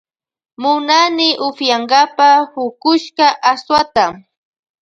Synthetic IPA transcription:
mʊnanɪʔʊfjaŋɡapahʊkʊʃkaʔaswat̪a

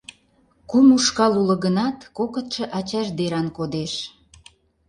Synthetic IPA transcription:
kumuʃkɑlulə̆ɣənɑt̪kokə̆t̪ʃə̆ʔɑt͡ɕɑʒd̪eɾɑnkod̪eʃ

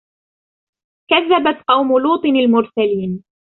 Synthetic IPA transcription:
kaðːabat̪qɑwmʊluːt̪ˤɨnalmʊɾsaliːn

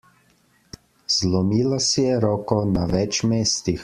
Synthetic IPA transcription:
z̥lɔmiːlasijɛɾɔːkɔnaʋɛt͡ʃmeːst̪ix

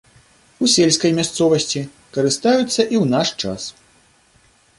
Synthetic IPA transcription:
usʲelʲskɐjmʲast̪sɔvɐsʲt͡sʲi | kɐɾɨst̪ajut̪sːɐʔiwnaʂt͡ʂa̰s

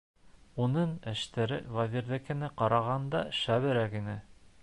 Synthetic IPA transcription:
unɤɴɘ̆ʃt̪æɾɘ̰vazʲiɾðɘ̆kɘ̆nɘqɑɾɑʁɑnd̪ɑ̰ʃæβɘ̆ɾækinɘ

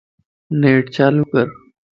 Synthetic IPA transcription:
neːʈt͡ɕaːluːkəɾ

